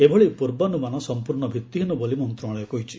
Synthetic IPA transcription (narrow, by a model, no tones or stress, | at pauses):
ebʱɔɭipuɾbɔnumanɔsɔmpuɾɳɔbʱjit̪ːiɦinubɔlimɔnt̪ɾɔɭɔjɔkɔɦit͡ʃʰi̥